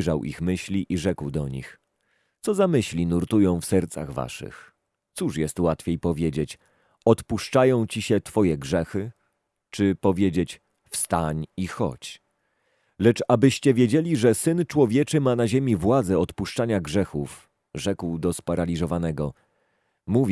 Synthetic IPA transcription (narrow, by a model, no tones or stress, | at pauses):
ʐawʔḭxmɘɕlʲiʔiʐɛkwd̪ɔɲḭx | t̪sɔzamɘɕlʲinuɾt̪ujɔ̃w̃fsɛɾt̪sa̰ɣva̰ʂɘ̰x | t̪suʂjɛst̪wat̪fʲejpɔvʲjed͡ʑet͡ɕ | ɔt̪puʂt͡ʂajɔ̃w̃t͡ɕiɕɛt̪fɔjɛɡʐɛxɘ | t͡ʂɘpɔvʲjed͡ʑet͡ɕ | fst̪aɲixɔ̰t͡ɕ | lɛt͡ʂabɘɕt͡ɕɛvʲjed͡ʑelʲiʐɛsɘnt͡ʂwɔvʲjɛt͡ʂɘmanaʑemʲivwad̪zɛɔt̪puʂt͡ʂaɲaɡʐɛxuf | ʐɛkwd̪ɔspaɾalʲizɔvanɛɡɔ | muvʲ